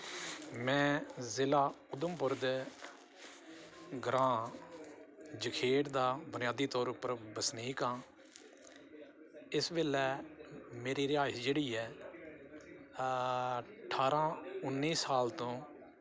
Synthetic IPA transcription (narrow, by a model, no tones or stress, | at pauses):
mɛ̃ːzɪlaːʊd̪əmpʊɾd̪ | ɡɾãː | d͡ʒəkʰeːʈd̪aːbʊnɪjaːd̪iːt̪ɔːɾʊpəɾbəsniːkãː | ɪsbeːlɛːmeːɾiːɾɪjaːd͡ʒeːɽiːɛː | əʈʰaːɾãːʊnːiːsaːlt̪õː